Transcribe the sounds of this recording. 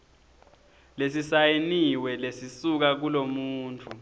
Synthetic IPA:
lesisajeniwɛlesisuk̬ak̬ulomuːntʰʼu

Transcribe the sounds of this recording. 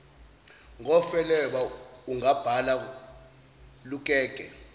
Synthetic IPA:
ŋɔfɛlɛɓauŋab̥ʱala | luk̬ʼɛːk̬ʼɛ

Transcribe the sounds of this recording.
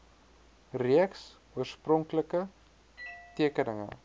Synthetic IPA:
riəks | uərsprɔŋkləkə | tiəkənəŋə̰

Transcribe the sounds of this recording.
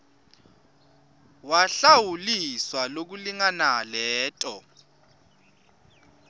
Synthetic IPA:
waɬawuliswalok̬uliŋanalɛːtʼɔ̰

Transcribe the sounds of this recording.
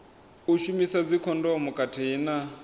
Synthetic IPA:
uʃumisad͡zikʰɔndɔmukʼatʰiɦina

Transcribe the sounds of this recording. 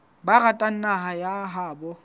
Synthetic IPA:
baratʼan̩naɦajaɦaːbɔ

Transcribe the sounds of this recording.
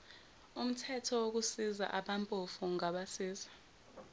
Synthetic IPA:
um̩tʰɛtʰɔwok̬usiza̰ʔaɓampʼofuŋaɓasiːzḁ

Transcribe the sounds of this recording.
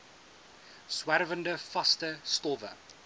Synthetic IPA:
swæɾvəndəfastəstɔːvə̰

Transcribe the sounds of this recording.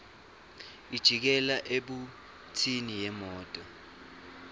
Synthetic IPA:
id̥ʒ̥ʱik̬ɛlaʔeɓu | tʰinijɛmɔːtʼɔ

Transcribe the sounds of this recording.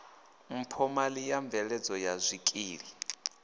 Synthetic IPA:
m̩pʰɔmalijaɱvɛɺɛd͡zɔjazʷikʼiːɺi

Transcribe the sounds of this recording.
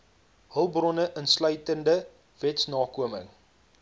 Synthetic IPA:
ɦəlˠbrɔnəʔənslœɥtəndə | vɛtsnɑːkuəmə̰ŋ

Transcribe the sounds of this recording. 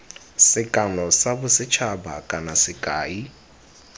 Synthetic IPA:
sɪkʼanɔsabʊsɪt͡ʃʰabakʼanasɪkʼaːi

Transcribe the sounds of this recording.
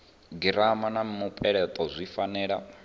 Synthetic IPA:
ɡiɾamanam̩mupʼɛɺɛt̪ʼɔzʷifanɛːɺa̰

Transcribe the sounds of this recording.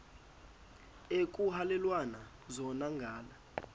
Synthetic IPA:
ekʼuhalɛlwana | zɔnaŋɡʱaːla

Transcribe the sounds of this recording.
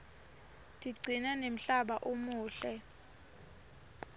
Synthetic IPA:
tʼiɡ͡ǀʱinɛnem̩ɬaɓaʔomuːɬɛ

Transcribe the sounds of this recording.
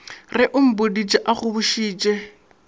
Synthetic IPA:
rɪʔʊm̩bodit͡ʃʼɛʔaɣʊβʊʃiːt͡ʃʼɛ

